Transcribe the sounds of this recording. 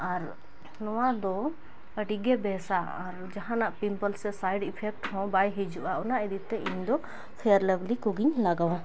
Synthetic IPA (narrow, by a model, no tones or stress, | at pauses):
aɾ | nɔwad̪ɔ | əʈiɡɛbɛsa | a̰ɾd͡ʒaɦãnaʔpimpəlsɛsajɖipʰɛk̚ʈhɔ̃bajɦid͡ʒuʔaɔnaʔɛd̪it̪ːɛʔiɲd̪ɔ | kʰɛjəɾlɛblikuɡiɲlaɡawã